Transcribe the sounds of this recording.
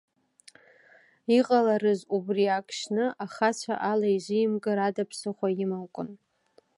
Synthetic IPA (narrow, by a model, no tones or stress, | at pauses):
iqʼalaɾɨzubriakʰʼʃnɨʔaχat͡ɕʷʰa̰ʔalaiʒʷɪimɡɨɾadapʰsɨχʷajɪmawkʷʼʊn